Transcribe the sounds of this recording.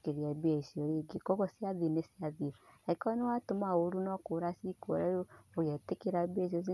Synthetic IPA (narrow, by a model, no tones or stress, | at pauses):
keɾiabiaisioɾeɡekɔɣɔsiaðinesiaðioaikɔnewatomaoɾunɔkoɾasikoɾajooɣɛtekeɾabieis̬os̬i